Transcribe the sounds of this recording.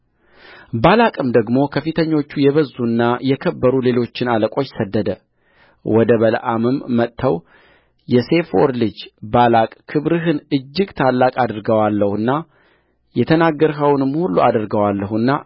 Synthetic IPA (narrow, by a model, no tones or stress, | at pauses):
balakʼɨmd̪əɡmo̞kʰəfɨt̪ʰəɲːo̞t͡ʃːujɛβəzːunːajɛkʰəbːəɾule̞lo̞t͡ʃːɪnaləkʼo̞t͡ʃːsəd̪ːəd̪ə | wɔd̪əβələ̰ʔamɨmːət̪ːʰəw | jɛse̞foɾlɨd͡ʒbalakʼkʰɨβɾɨɦɨnɨd͡ʒːɪɡt̪ʰalːakʼad̪ɾɡəwalːəhuɨnːa | jɛt̪ʰənaɡːəɾɦəwnɨmhulːuad̪ɨɾɡəwalːəhuɨnːa